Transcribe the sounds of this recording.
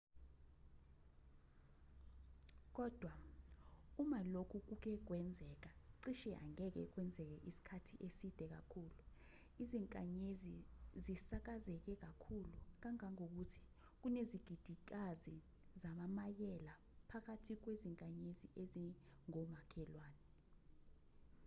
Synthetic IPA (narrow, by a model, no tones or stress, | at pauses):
k̬ɔːd̥ʱwa | umalokʰuk̬uk̬ɛk̬wɛnd͡zʱɛk̬aǀiʃɛʔa̰ŋɛk̬ɛ̰k̬wɛnd͡zʱɛk̬ɛʔisi̥kʰatʰiʔesid̥ʱɛk̬a̰kʰuːlu | iziŋkʼaɲezizisak̬azɛk̬ɛk̬akʰuluk̬aŋaŋok̬utʰi̥ | k̬uneziɡ̥ʱid̥ʱik̬azi | zamamajɛla | pʰak̬atʰik̬weziŋkʼaɲeziʔeziŋɔmakʰɛlwaːnɛ